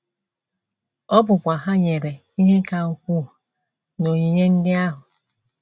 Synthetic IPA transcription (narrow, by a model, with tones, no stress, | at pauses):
ɔ˦bʊ˨kʷa˨ɦa˦ɲe˨ɾe˨ | i˦ɦe˦ka˨o˨kʷu˦˨ | no˨ɲi˨ɲe˦ŋ̩˦dɪ˦a˦ɦʊ˨